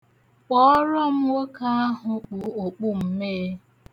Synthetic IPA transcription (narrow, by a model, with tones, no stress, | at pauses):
k͡pɔ˦ɔ˦ɾɔ˦m̩˦wo˦ka˦a˦ɦʊ˨k͡pu˨o˨k͡pu˦m̩˦meː˦